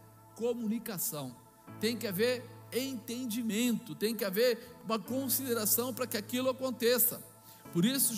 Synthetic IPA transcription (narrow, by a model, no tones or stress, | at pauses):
komunikasɐ̃w̃ | t̪ẽj̃kɪaveɾẽt̪ẽnd͡ʒimẽnt̪ʊt̪ẽj̃kɪaveɾũmɐkõsid̪eɾasɐ̃w̃pɾɐkɪakilʊakõnt̪esɐ̰ | poɾisʊ